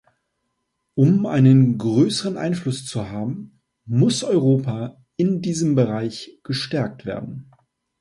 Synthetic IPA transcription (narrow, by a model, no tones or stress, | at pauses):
ʔʊmʔa̰ɪnənɡʁøːsəʁənʔa̰ɪnflʊst͡suɦaːbm̩ː | ʊsʔɔʏʁoːpa | ʔɪndiːzəmbəʁaɪçɡ̥əʃtɛɐk̚tv̥ḛːɐdn̩